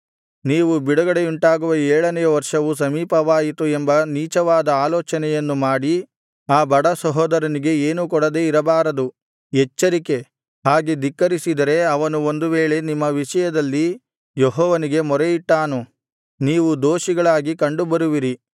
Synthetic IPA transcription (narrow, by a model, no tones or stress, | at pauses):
niːʋubiɽɐɡɐɽeuɳʈaːɡuʋɐɛːɭɐnɛjɐʋɐɾʂɐʋus̬ɐmiːpɐʋaːjit̪uembɐniːt͡ʃɐʋaːd̪ɐaːloːt͡ʃɐnɛjɐnːumaːɽi | aːbɐɽɐsɐɦɔːd̪ɐɾɐniɡe̞eːnuk̬ɔɽɐd̪e̞iɾɐbaːɾɐd̪u | ɛt͡ʃːɐɾike̞ | ɦaːɡed̪ikːɐɾisid̪ɐɾe̞ɐʋɐnuo̞nd̪uʋeːɭe̞nimːɐʋiʂɐjɐd̪ɐlːi | jeɦɔːʋɐniɡe̞mɔɾejiʈːaːnu | niːʋud̪oːʃiɡɐɭaːɡikɐɳɖubɐɾuʋiɾi